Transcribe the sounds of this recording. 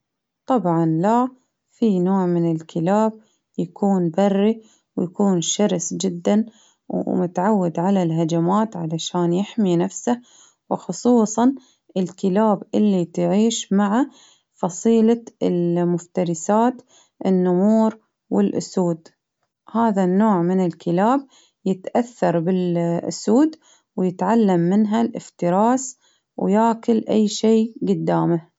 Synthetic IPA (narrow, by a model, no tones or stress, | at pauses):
t̪ˤɑbʕɑnla | finoːʕmɪnɪlkʰɪlaːb̚ | jakuːnbɑrˤːi | wjakuːnʃɑɾsd͡ʒɪd̪ːan | wmʊt̪aʕawːɪd̪ʕalalɦad͡ʒamaːt̪ʕalaʃaːnjɪħminafsa | wɪxʊsˤuːsˤɑn | ʔɪlkɪlaːbʔɪlːit̪ʕiːʃmaʕa | fɑsˤiːlaɪlmʊft̪ɑɾɪsaːt̪ | ʔɪnːʊmuːɾ | wɪlʔʊ̰suːd̪ | haːðanːoːʕmɪnɪlkʰɪlaːb̚ | jɪt̪ʔaθːɑɾˤbɪlʔʊ̰suːd̪ | wjɪt̪ʕalːamːɪnɦalʔɪ̰ft̪ɪɾɑːs | wjaːkʊlʔajːʃeːɡʊd̪ːaːma